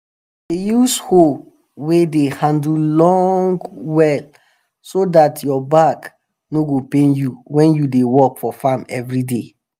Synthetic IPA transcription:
ejusho | wedehãndl̩lɔ̃ŋɡwɛl | sodatjɔbak | noɡopẽnjuwɛ̃njudewɔkfɔfãmɛvɹide

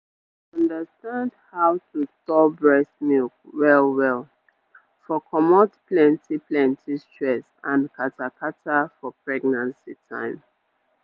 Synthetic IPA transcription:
ʌ̃ndəstãndhawtʰustɔbɹɛsmilkwɛlwɛlˠ | fɔkʰɔmɔtplɛ̃ntʰiplɛ̃ntʰistɹɛsãnkʰatakʰatafɔpɹɛɡnãnsitʰã̰ɪ̃m

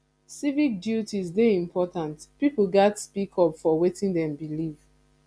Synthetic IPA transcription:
sivik̚djutizdeĩmpʰɔtãntpipl̩ɡatspikʰɔpfɔwetĩndɛ̃mbiliv

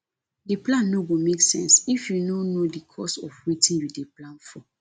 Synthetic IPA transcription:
diplãnːoɡomeksɛ̰̃nsifjunonodikʰɔsɔfwitĩnjudeplãnfɔ

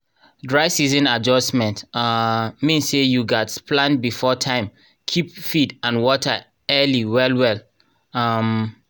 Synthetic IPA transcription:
dɹaɪsizɔ̃nad͡ʒɔstmɛ̃nt | mĩnsːejuɡatsplãnbifɔtʰãɪ̃m | kʰipfidãnwɔtʰə | ɛliwɛlwɛl | am

